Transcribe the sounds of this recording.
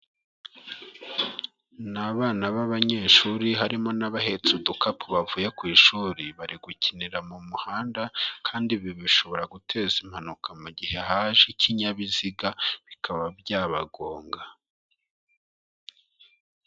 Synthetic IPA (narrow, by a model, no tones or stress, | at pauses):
naβaːnaβaβaɲe̞ːʃuɾiɦaɾimo̞naβahe̞t͡sudukapuβavuːje̞kwiːʃuːɾiβaɾiɡucʰiniɾamumuhaːndakʰaːndiβiβiʃo̞βo̞ɾaɡutʰe̞zim̥hanukʰamuɟihe̞ɦaːʒecʰiɲaβiziɡaβikaβabjaːβaɡo̞ːŋɡa